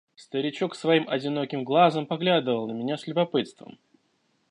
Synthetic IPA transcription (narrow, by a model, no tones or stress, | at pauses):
st̪əɾʲɪt͡ɕoksvɐimɐdʲɪno̞kʲɪmɡlˠazəmpɐɡlʲad̪ɨvəlˠnəmʲɪnʲaslʲʊbɐpɨt̪st̪və̰m